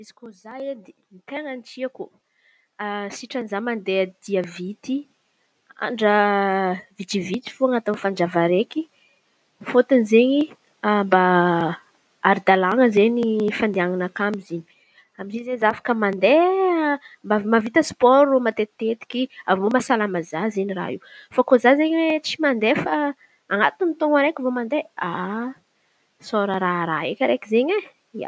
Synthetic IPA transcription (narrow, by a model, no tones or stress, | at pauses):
izi̥kozajed̪e | mit̪eŋant͡siaku | asiʈ͡ʂanizamand̪ead̪̥iəvit̪i | a̰ɳɖ͡ʐə | vit̪ivit̪i̥fuaŋat̪anfand͡ʒavaɾeki | fot̪inizeɲi | mba | aɾid̪alaŋəzenifand̪eaŋanakamiziɲi̥ | amizizezafḁkəmand̪e | mbamavit̪əspɔɾumat̪et̪et̪i̥kiavmomasalamazazeɲira̰ɦḭwfakozazeɲwet͡simand̪efa | aŋat̪int̪oŋaɾekʲivomand̪ea | soɾəɾaɾaekʲəɾekizeɲe | ia̰